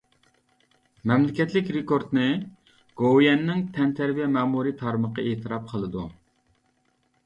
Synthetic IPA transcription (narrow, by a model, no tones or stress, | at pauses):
mɛmlɪkʲɛt̪lɪkʲɾekoɾt̪nɨ | ɡ̥owjɛnːɪŋt̪ʰɛnt̪ʰæɾvijɛmæːmuɾit̪ʰɑɾməqəet̪ʰɨɾɑp̚qʰəlˠɨd̪u